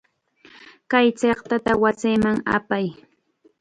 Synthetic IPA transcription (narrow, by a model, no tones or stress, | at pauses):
kajt͡seχt̪at̪awat͡sɪjmaŋa̰paj